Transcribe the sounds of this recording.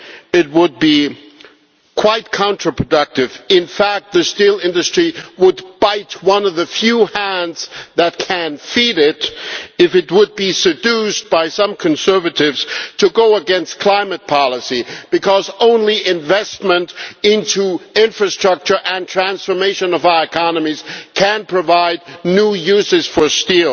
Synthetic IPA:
ɪt̚wəd̚bi | kʰw̥aɪt̚kʰɑ̃ntɹ̥əpʰɹ̥ɨdʌk̚tɨvɪ̃nfæk̚t̪̚ðɨstilˠɪ̃ndɨstɹ̥iwəd̚b̥aɪt̚wʌ̃nʌvðɨfjuhæ̃ndz̥ðɨt̚kʰɨ̃nfiɾɪɾɨfɨt̚wəd̚bisɨdʉsb̥aɪsʌ̃mkʰɨ̃nsɜ˞vɨɾɪvz̥tʰɨɡoʊəɡɛ̃nstkʰl̥ãɪ̃mɨt̚pʰɑlˠəsib̥ɨkʰʌzõʊ̃nliʔɪ̃ɱvɛst̚mə̃ntɪ̃ntʰuɪ̃ɱfɹɨstɹ̥ʌk̚t͡ʃə˞ʔɨ̃ntʰɹ̥æ̃nsfə˞meɪʃɨ̃nʌvaɨkʰɑnɨmiz̥kʰɨ̃npʰɹ̥ɨvaɪdⁿnujʉzɨz̥fə˞stilˠ

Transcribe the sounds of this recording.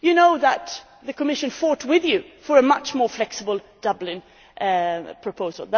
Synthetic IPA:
jɨnoʊðət̪̚ | ðɨkʰəmɪʃɨ̃nfɔɹt̚wɪðjʉfə˞ɨmʌt͡ʃmɔɹflɛksəbəl̩ˠ | d̥ʌblɪ̃n | ʔpʰɹ̥ɨpʰoʊzəl̩ˠðə

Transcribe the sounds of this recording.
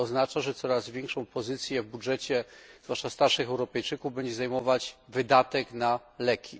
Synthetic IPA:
ɔznat͡ʂaʐɛt̪sɔɾazvʲjɛŋkʂɔ̃w̃pɔzɘt̪sʲjɛvbudʐɛt͡ɕɛz̥vwaʂtast̪aɾʂɘxɛwɾɔpɛjt͡ʂɘkuvbɛɲd͡ʑɛzajmɔvad͡ʑvɘd̪at̪ɛknalɛkʲi

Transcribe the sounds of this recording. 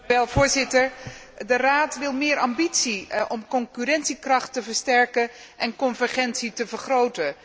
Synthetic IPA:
ɛlˠvʊːɹzɪtəɹ | dəraːtʋɪlˠmɪːɹʔɑmbitsiʔɔmkɔŋkyɾɛntsikrɑχtəvəɹstɛɹkə | ʔɛnkɔnvəɹχɛntsitəvəɹχrowtə

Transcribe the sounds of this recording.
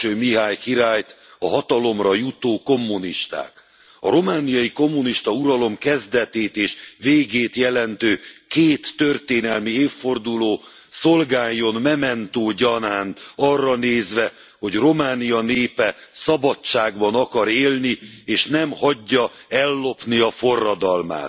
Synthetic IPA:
øːmiɦaːjkiɾaːjt̪ | ɒɦɒt̪ɒlo̞mrɒjut̪oːko̞mːuniʃt̪a̰ːk | ɒ̰ɾo̞maːnijɒjiko̞mːuniʃt̪ɒuɾɒlo̞mkɛzd̪ɛt̪eːt̪eːʃveːɡeːt̪jɛlɛnt̪øːkeːt̪ːø̞rt̪eːnɛlmieːfːo̞rd̪uloː | so̞lɡaːjːo̞nmɛmɛnt̪oːɟɒnaːnt̪ɒrːɒneːzʋɛ | ho̞ɟro̞maːnijɒneːpɛsɒbɒt͡ʃaːɡbɒnɒkɒɾeːlnieːʃnɛmhɒɟːɒ | ɛlːo̞pniɒfo̞rːɒd̪ɒlma̰ːt̪

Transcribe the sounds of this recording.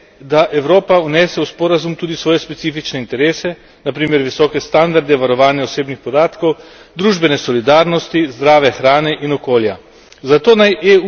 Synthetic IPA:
d̪aʔɛwɾoːpaunɛːsɛuspɔːɾazumt̪uːd̪isʋɔːjɛspɛt̪siːfit͡ʃnɛint̪ɛɾeːsɛ | napɾiːmɛɾʋisɔːkɛst̪and̪aɾd̪ɛʋaɾɔʋaːnjaɔseːbnixpɔd̪aːt̪kɔw | d̪ɾuːʒbɛnɛsɔlid̪aːɾnɔst̪izd̪ɾaːʋɛxɾaːnɛʔinɔkoːlja | zat̪oːnajʔe

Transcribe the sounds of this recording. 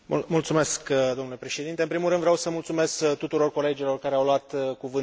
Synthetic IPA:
mult̪sume̞skd̪oamnule̞pɾe̞ʃe̞d̪int̪e̞ɨmpɾimulɾɨnd̪vɾeawsəmult̪sume̞skt̪ut̪uɾo̞rko̞le̞d͡ʒilo̞rkaɾeawloat̪kuvɨn

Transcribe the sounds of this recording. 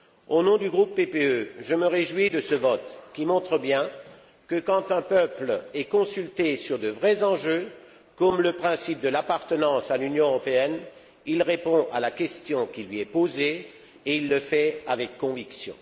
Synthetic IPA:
onɔ̃d̪yɡʁupːepeøʒəməʁeʒwid̪əsəvɔt̪kʲimɔ̃t̪χəbjɛ̃ | kəkɑ̃t̪ɛ̃pœplɛkɔ̃sylt̪esyʁd̪əvʁɛzɑ̃ʒø | kɔmləpχɛ̃sip̚d̪əlapaʁt̪ənɑ̃salynjɔ̃øʁɔpeɛn | ilʁepɔ̃ʔa̰lakʲɛst̪jɔ̃kʲilɥiɛpoze | eilːəfɛavɛkːɔ̃viksjɔ̰̃

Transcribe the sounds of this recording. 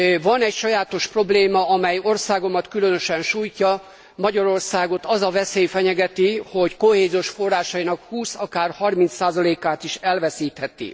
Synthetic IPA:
vɒnɛcʃɒjaːt̪o̞ʃpro̞bleːmɒɒmɛjo̞rsaːɡo̞mɒt̪kylønø̞ʃɛnʃuːjcɒ | mɒɟɒɾo̞rsaːɡo̞t̪ɒzɒvɛseːjfɛɲɛɡɛt̪iho̞ckoheːzioʃfo̞rːaːʃɒinɒkhuːsɒkaːrhɒrmint̪saːzɒleːkaːt̪iʃɛlvɛsiːt̪hɛt̪ḭ

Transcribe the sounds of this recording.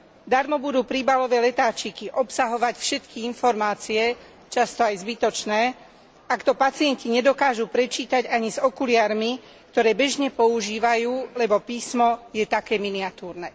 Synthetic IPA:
d̪aɾmɔbud̪uːpɾibalɔʋɛlɛt̪aːt͡ʃikiʔɔpsaɦɔʋacfʃɛt̪kiinfɔɾmaːt͡siɛ | t͡ʃast̪ɔajzbit̪ɔt͡ʃnɛː | akt̪ɔpat͡siɪɛnciɲɛd̪ɔkaːʒuːpɾɛt͡ʃiːt̪aɟaɲizɔkulɪaːɾmi | k̚t̪ɔɾɛːbɛʒɲɛpɔuʒiːʋajuːlɛbɔpiːsmɔjɛt̪akɛːminiat̪uːɾnɛː

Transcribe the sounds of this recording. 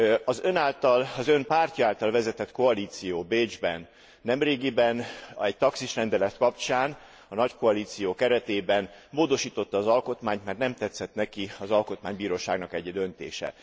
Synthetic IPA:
ɒzø̞naːlt̪ɒlɒzømpaːrcɒaːlt̪ɒlvɛzɛt̪ɛt̪ko̞ɒliːt̪sijoːbeːd͡ʒbɛ̰nː | ɛmreːɡibɛnɛc̚t̪ɒksiʃrɛnd̪ɛlɛt̪kɒpt͡ʃaːn | ɒnɒcko̞ɒliːt̪sijoːkɛɾɛt̪eːbɛnmoːd̪o̞ʃiːt̪o̞t̪ːɒːzɒlko̞t̪maːɲt̪mɛrt̪nɛmt̪ɛt̪sːɛt̪nɛkiɒzɒlko̞t̪maːɲbiːɾoːʃa̰ːɡnɒkɛɟɛd̪ønt̪ḛːʃɛ̰

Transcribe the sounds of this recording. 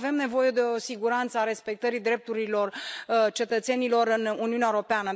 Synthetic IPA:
ve̞mne̞vo̞je̞d̪e̞o̞siɡuɾant̪səaɾe̞spe̞k̚t̪əɾid̪ɾe̞p̚t̪uɾilo̞rt͡ʃe̞t̪ət̪se̞nilo̞ɾɨnuniuneaeoɾopeanə

